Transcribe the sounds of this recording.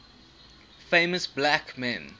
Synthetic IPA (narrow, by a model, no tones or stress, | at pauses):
fẽɪməsblækmɛ̃n